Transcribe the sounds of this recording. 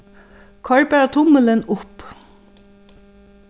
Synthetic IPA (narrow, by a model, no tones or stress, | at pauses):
kʰaɹbɛːɾat̪ʰʊmələnʊp